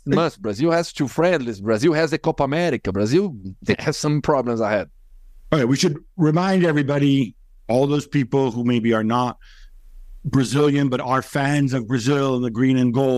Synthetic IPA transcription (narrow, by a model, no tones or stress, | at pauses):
mʌsbɹazilˠhɛz̥tʰufɹɛ̃ndˡlisbɹazilˠhɛzɨkopəmɛɾɪkəbɹazilˠðehɛz̥sʌ̃mpʰɹ̥ɑblə̃mzahɛd̥̚ | oewiʃɨd̚ɹɨmãɪ̃ndɛvɹibɑɾi | ɔlˠðoʊz̥pipl̩ˠhumeɪbiə˞nət̚ | b̥ɹɨzɪlˠjɨ̃nbʌɾə˞fæ̃nzʌvbɹɨzɪlˠə̃nðɨɡɹĩnɨ̃nɡo